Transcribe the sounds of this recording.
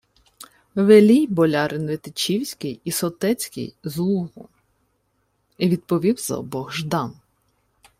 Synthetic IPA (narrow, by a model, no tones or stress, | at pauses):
ʋelʲijbɔlʲɑɾʔɪnʋet̪ɪt͡ʃʲiwsʲkɪjisɔt̪ɛt͡sʲkɪ̰jzlˠuɦʊ | iʋʲid̪̚pɔʋʲiwzɐ̰ɔbɔɣʒd̪ɑn